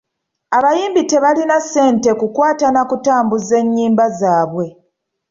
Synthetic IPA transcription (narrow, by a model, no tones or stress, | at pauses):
aβajiːmbite̞βalinase̞ːnte̞kukwaːtanakutaːmbuze̞ɲːiːmbazaːβwe̞